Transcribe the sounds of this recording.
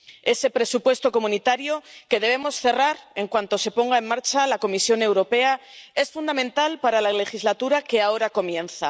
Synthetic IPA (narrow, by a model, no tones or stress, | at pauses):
e̞sepɾe̞supwe̞st̪o̞ko̞mũnit̪aɾjo̞ke̞ðe̞β̞e̞mo̞sθe̞raɾe̞ŋkwant̪o̞se̞po̞ŋɡae̞mmaɾt͡ʃalako̞misjo̞ne̞wɾo̞pe̞ae̞sfund̪amẽnt̪alpaɾalale̞xizlat̪uɾake̞ao̞ɾako̞mjẽ̞nθa